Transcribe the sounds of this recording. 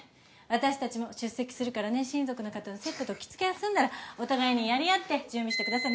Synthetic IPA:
βat̪aɕi̥t̪at͡ɕimo̞ɕɨsːe̞kʲi̥sɨɾɯ̟kaɾane̞ɕĩnzo̞kɯ̟no̞kat̪anose̞t̪ːo̞t̪o̞kʲi̥t͡sɨ̥ke̞jasɨ̃nd̪aɾao̞t̪aɡaeɲ̟ijaɾʲiat̪ːe̞d͡ʑɨ̃ːmbʲiɕi̥t̪ekɯd̪asaɾi

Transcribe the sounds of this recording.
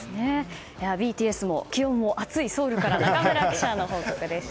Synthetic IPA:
ne | jaːbʲiːt̪ʲiːesɨmo̞kʲiõ̞mːo̞ʔat͡sɨiso̞ːɾɯ̟kaɾanaɡameɾai̥t͡ɕano̞ɦo̞ːkokɯ̟d̪e̞sɨ̥

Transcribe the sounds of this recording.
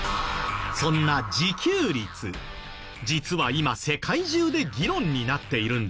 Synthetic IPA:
sõ̞nːad͡ʑikʲɨːɾʲit͡sɨ | d͡ʑit͡sɨβaimase̞kʰaiʑɨːd̪e̞ɡʲiɾõ̞ɲ̟ːinat̪ːe̞iɾɯ̟̃nd̪

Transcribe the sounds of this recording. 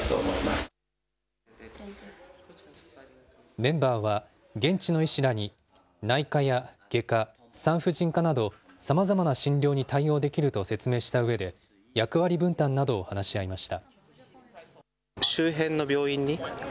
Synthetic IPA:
t̪o̰moimasɨ̥ | mẽ̞mbaːβ̞a | ɡẽ̞ɲt͡ɕino̞iɕiɾaɲ̟i | naikajaɡ̥e̞ka | sãɰ̃ɸɯ̟ʑĩŋkanad̪o̞ | samazamanaɕĩnɾʲo̞ːɲ̟it̪aio̞ːd̪e̞kʲiɾɯ̟t̪o̞se̞t͡sɨme̞ːɕi̥t̪aɯ̟βe̞d̪e̞ | jakɯ̟βaɾʲibɯ̟̃nt̪ãnːad̪o̞ːhanaɕiaimaɕi̥t̪a | ɕɨːɦẽ̞nːo̞bʲjo̞ːĩɲ̟ːi

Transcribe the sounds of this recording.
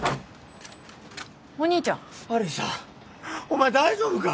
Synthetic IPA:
kõɲ̟ːit͡ɕõŋaɾesa̰ | omaed̪aiʑoːbɯka

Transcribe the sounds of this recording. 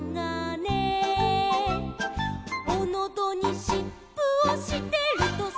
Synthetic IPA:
ŋane | onod̪oɲ̟iɕippːɯoɕit̪e̞ɾɯ̟t̪o

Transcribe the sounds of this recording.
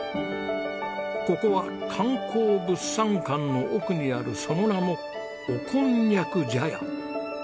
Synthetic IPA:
ko̞ko̞βa | kʰãŋkʰoːbɯ̟sːãŋkãnːo̞ʔokɯ̟ɲ̟iaɾɯ̟so̞no̞namo̞ː | kʰõɲɲakɯ̟d͡ʑaja̰

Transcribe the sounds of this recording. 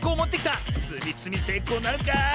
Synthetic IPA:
ko̞ːmo̞t̪ːekʲit̪asɨmʲit͡sɨmʲise̞ːko̞ːnaɾɯ̟ka

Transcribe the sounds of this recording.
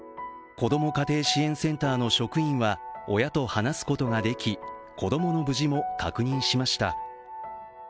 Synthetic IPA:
ko̞d̪o̞mo̞kat̪e̞ːɕiẽ̞ɰ̃sẽ̞nt̪aːno̞ɕo̞kɯ̟ĩɰ̃βao̞̰jat̪o̞hanasɨ̥ko̞t̪o̞ɡad̪e̞kʲikʰo̞d̪o̞mo̞no̞bɯ̟ʑimo̞kakɯ̟ɲ̟ĩɰ̃ɕimaɕi̥t̪a̰

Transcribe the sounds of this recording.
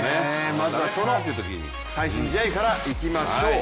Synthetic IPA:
nemazɨasoɾat̪ːeɯ̟t̪ok̬ʲḭɲḭ | saiɕĩɲd͡ʑit̪aikaɾaikʲimaɕoː

